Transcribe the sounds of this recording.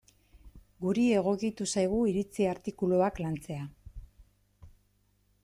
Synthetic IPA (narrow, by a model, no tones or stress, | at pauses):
ɡuɾie̞ɣ̞o̞kit̪usajɣ̞uiɾit͡siaɾt̪ikulo̞aklant͡se̞a